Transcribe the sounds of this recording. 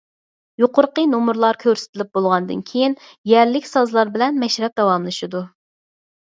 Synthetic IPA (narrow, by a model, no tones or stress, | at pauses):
joqʰʊɾqənomuɾlˠɑɾkʲʰøɾsɪ̥t̪ʰɪlɪp̚bolˠʁɑnɨd̪ɨ̰nkʲʰejinjæɾlɪkʲsɑzlˠɑɾbɪlɛnmɛʃɾɛp̚d̪ɑwɑmlˠɨʃɨd̪u